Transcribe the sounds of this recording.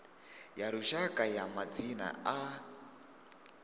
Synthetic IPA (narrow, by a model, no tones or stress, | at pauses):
jaɾuʃakʼajamad͡zina̰a